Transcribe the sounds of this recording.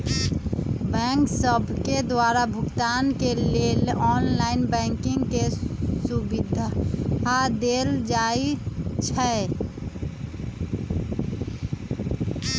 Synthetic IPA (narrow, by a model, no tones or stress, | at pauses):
bɛ̃ːŋksəbʱked̪waːɾabʱʊɡt̪aːnkeleɔːnlaːɪnbɛ̃ːŋkɪ̃ŋɡkesʊbɪd̪ʱɦad̪eːld͡ʒaːit͡ʃʰɛ